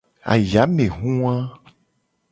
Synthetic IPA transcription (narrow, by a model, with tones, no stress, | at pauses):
a̰˨ja˨˦mẽ˨ɦũ˦a˦